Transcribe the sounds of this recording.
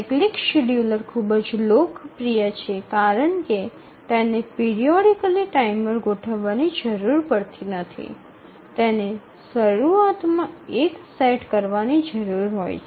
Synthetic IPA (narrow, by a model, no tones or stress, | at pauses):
eklikʃiɽjuləɾkʰubəd͡ʒlokpɾijət͡ʃʰekaɾəɳke | t̪enepiɾioɽikəliʈaimpəɾɡoʈʰəʋːanid͡ʒəɾuɾpəɽt̪inət̪ʰḭ | t̪ene | səɾuat̪mãekseʈkəɾʋanid͡ʒəɾuɾɦo̰jt͡ʃ